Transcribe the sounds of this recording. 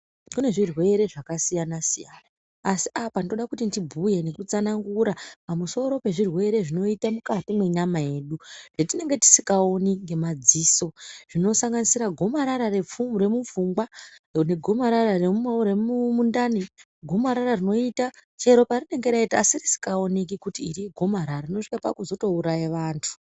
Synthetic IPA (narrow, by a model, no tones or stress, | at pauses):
kune̞ʐirwe̞ɾe̞ʐakasijanasijaːnaː | si̥apanioɗakutindibʱuje̞ne̞kut͡sanaŋɡuɾapamuso̞ɾo̞pe̞ʐirwe̞ɾe̞ʐino̞itamukatimwe̞ɲamaje̞ːɗuʐ̥etine̞ŋɡe̞ti̥si̥kao̞niŋɡe̞mad͡ziːso̞ʐ̥ino̞saŋɡanisiɾaɡʱo̞maɾaɾare̞p͡fumɾe̞mufuŋɡwa | ne̞ɡʱo̞maɾarareumɾeumundani | ɡʱo̞maɾararino̞itat͡ʃe̞ɾo̞parine̞ŋɡeɾaitia̰sirisi̥kao̞nik̬ikutiːɾiɡʱo̞maɾaarino̞ʂikapa̰kuzo̞to̞uɾajaʋaːntʰu̥